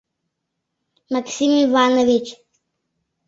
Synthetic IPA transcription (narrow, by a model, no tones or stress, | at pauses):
maksimivanovit͡ʃ